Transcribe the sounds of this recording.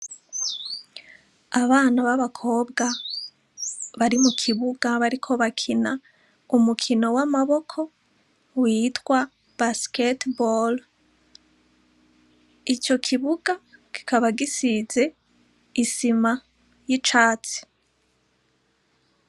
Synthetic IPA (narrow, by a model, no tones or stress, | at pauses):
aβaːn̥aβaβakʰo̞ːbɡa | βaɾimukʰiβuɡaβaɾikʰo̞βakʰina | umukʰino̞wamaβo̞kʰo̞ | wiːtwa | b̥asketbol | it͡ʃo̞kʰiβuɡaki̥kaβaɡisize̞ | isima | jit͡ʃaːt͡si̥